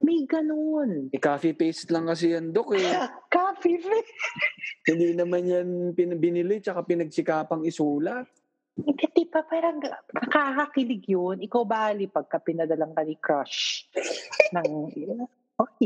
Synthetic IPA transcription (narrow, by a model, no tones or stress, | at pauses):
mɐjɡɐnonɛkaːfɪpejst̪lɐŋkɐs̬ɪjɐnd̪okɛkaːfifɛ | hɪnd̪inɐmanjɐnpɪnbɪnɪlɪt͡ʃɐkapɪnɐɡ̚sɪkaːpɐŋɪsuːlɐ | kɐt̪ɛpɐpaːɾɐŋkɐkahɐkɪlɪɡjonʔɪkawbaːlɪpɐɡ̚kɐpɪnɐd̪ɐlaŋkɐnɪkɾaʃ | nɐŋ | ʔokɛ